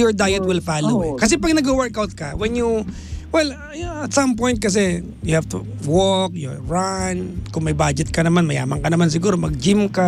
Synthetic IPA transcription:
jɔɹd̪ajɛt̪̚wɪlfaːlukɐsɛpɐɡ̚nɐɡowɛɹkawt̪̚kɐwɛnju | wɛl | ɐt̪sɐ̃mpɔ̃jnt̪̚kɐs̬ɛ | jʊhavt̪uwɔk̚joɹankʊŋmɐjbad͡ʒɛt̪̚kɐnɐmanmɐja̰ːmɐŋkɐnɐmans̬ɪɡuːɾomɐɡ̚d͡ʒimka

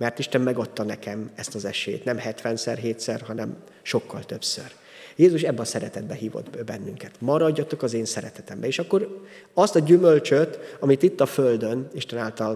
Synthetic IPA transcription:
mɛrt̪iʃt̪ɛmmɛɡot̪ːɒnɛkɛmɛst̪ɒzɛʃḛːt̪nɛmhɛt̪ʋɛnsɛrɦeːt̪sɛrɦɒnɛm | ʃo̞kːɒ̰lt̪ø̞psø̰r | jeːzuʃɛbːɛɒsɛɾɛt̪ɛd̪̚bɛɦiːvo̰d̪bɛnːyŋkɛt̪mɒɾɒɟːɒt̪o̞kɒzeːnsɛɾɛt̪ɛt̪ɛmbɛeːʃɒkːo̞ɾ | ɒst̪ɒɟymølt͡ʃøt̪ɒmit̪it̪ːɒføld̪øniʃt̪ɛnaːlt̪ɒl

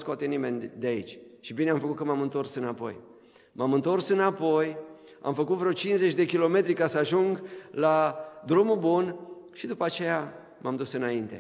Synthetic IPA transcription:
skoat̪e̞nime̞nʲd̪eait͡ʃʲʃibineamfəkut̪̚kəmamɨnt̪o̞rsɨnapo̞̰j | mamɨnt̪o̞rsɨnapo̞j | a̰mfəkut̪vɾot͡ʃinze̞t͡ʃʲd̪e̞kʲilo̞me̞t̪ɾikasəaʒuŋɡlad̪ɾumubun | ʃid̪upəat͡ʃe̞ja | mamd̪usɨnaint̪e̞̰

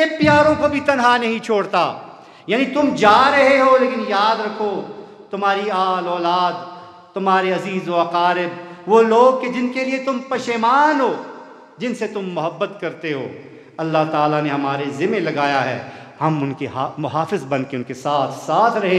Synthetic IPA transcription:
epɪjaːɾõkobʱit̪ɐnɦanɐɦĩt͡ʃʰoːɽt̪aː | jaːnĩt̪ʊmd͡ʒaːɾɐɦeɦoleːkɪnjaːd̪ɾɐkʰo | t̪ʊmɦaːɾiaːlɔːlaːd̪̚ | t̪ʊmɦaːɾeɐziːzoɐqaːɾɪbʋoloːɡ̚ked͡ʒɪnkeliet̪ʊmpɐʃeːmaːnɦoː | d͡ʒɪnset̪ʊmːʊɦəbːət̪kɐɾt̪eɦo̰ː | ɐlːaɦt̪aːlaneɦɐmaːɾezɪmelɐɡaːjaɦɛ̰ː | hɐmʊnkeɦaːmʊɦaːfɪzbɐnkeʊnkesaːt̪ʰsaːt̪ʰɾɐɦẽ

